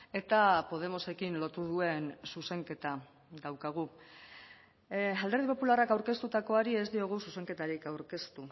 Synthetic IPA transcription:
e̞t̪apo̞ð̞e̞mo̞se̞kinlo̞t̪uð̞ue̞nsuse̞ŋke̞t̪a | d̪awkaɣ̞u | ald̪e̞ɾð̞ipo̞pularakawɾke̞st̪ut̪ako̞aɾie̞zd̪io̞ɣ̞ususe̞ŋke̞t̪aɾikawɾke̞st̪u

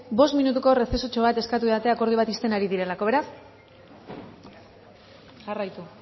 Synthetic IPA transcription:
bo̞st̪minut̪̬uko̞re̞se̞so̞t͡ʃo̞β̞at̪e̞skat̪ueat̪e̞ako̞ɾð̞iβ̞at̪ist̪e̞naɾiðiɾe̞lako̞β̞e̞ɾas | ʝarajt̪u

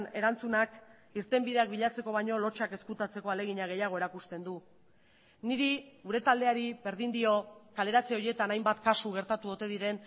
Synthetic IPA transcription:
ne̞ɾant͡sunak | iɾt̪e̞mbiðe̞ak̚biʎat͡se̞ko̞βajɲo̞lo̞t͡ʃake̞skut̪at͡se̞ko̞ale̞ɣiɲaɣe̞jaɣ̞o̞e̞ɾakust̪e̞nd̪u | niɾiuɾe̞t̪ald̪e̞aɾiβe̞ɾðind̪io̞kale̞ɾat͡seo̞je̞t̪anajmbat̪kasuɣ̞e̞ɾt̪at̪uot̪e̞ðiɾe̞n

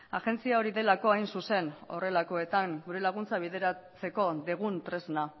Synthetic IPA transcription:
aɣe̞nt͡siao̞ɾiðe̞lako̞ajnsuse̞no̞̰re̞lako̞e̞t̪aŋɡuɾelaɣ̞unt͡saβ̞iðe̞ɾat͡se̞ko̞ðeɣ̞unt̪ɾe̞zna

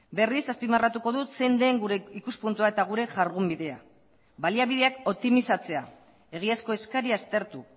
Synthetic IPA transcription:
be̞risaspimarat̪uko̞ðut̪se̞nd̪e̞ŋɡuɾe̞ikuspunt̪uaet̪aɣ̞uɾe̞ʝaɾɣumbiðe̞a | βaliaβið̞e̞ako̞p̚t̪imisat͡se̞a | e̞ɣ̞iasko̞e̞skaɾiast̪e̞ɾt̪u

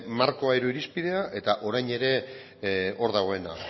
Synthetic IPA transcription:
maɾko̞ajɾoiɾispið̞e̞aʔe̞t̪aʔo̞ɾajɲe̞ɾe̞ | o̞ɾðaɣ̞o̞e̞na̰

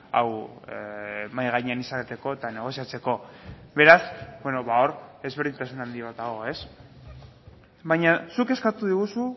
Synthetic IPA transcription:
a̰w | majɣaɲeanisaket̪e̞ko̞et̪ane̞ɣ̞o̞siat͡se̞ko̞be̞ɾasbweno̞βao̞ɾe̞zβe̞ɾðint̪asunand̪iβat̪aɣ̞o̞e̞s | βajɲasuke̞skat̪uðiɣ̞usu

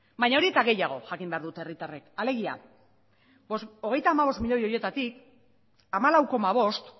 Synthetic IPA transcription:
bajɲao̞ɾie̞t̪aɣe̞jaɣ̞o̞ʝakimbe̞aɾðut̪eerit̪are̞kale̞ɣ̞ia̰ | o̞ɣe̞jt̪aːmaβ̞o̞st̪miʎo̞jo̞je̞t̪at̪ik | amalawko̞maβ̞o̞st̪

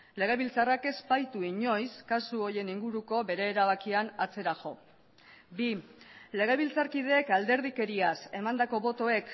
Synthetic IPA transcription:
le̞ɣ̞e̞βilt͡sarake̞spajt̪uiɲo̞jskasuo̞je̞niŋɡuɾuko̞βe̞ɾe̞ːɾaβ̞akianat͡se̞ɾaʝo̞ | bile̞ɣ̞eβ̞ilt͡saɾkið̞e̞ːkald̪e̞ɾðike̞ɾiase̞mand̪ako̞βo̞t̪o̞e̞k

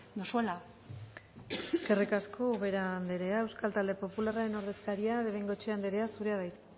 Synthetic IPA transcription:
nosuela | eske̞rikaskʰo̞uβe̞ɾand̪eɾe̞ae̞wskalt̪ald̪e̞po̞pularaɾe̞no̞ɾðe̞skaɾiaβeβejŋɡo̞t͡ʃeand̪eɾe̞asuɾe̞aðajt̪

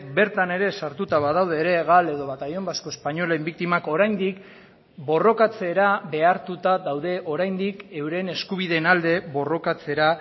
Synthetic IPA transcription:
be̞ɾt̪ane̞ɾe̞saɾt̪ut̪aβað̞awð̞e̞ːɾe̞ɣale̞ðo̞βat̪ajo̞mbasko̞espaɲo̞lembik̚t̪imako̞ɾajnd̪ik | bo̞ro̞kat͡se̞ɾaβe̞aɾt̪ut̪aðawðe̞ʔo̞ɾajnd̪ike̞wɾe̞ne̞skuβ̞iðe̞nald̪e̞βo̞ro̞kat͡se̞ɾa

